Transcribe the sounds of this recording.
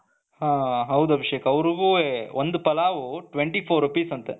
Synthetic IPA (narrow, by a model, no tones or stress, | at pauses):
hãːɦɐwd̪uɐbʱiʂekɐɐʋɾuɡuːeʔond̪upɐlaːʋuʈʋeɳʈiːpʰoːɾɐpiːsɐnt̪e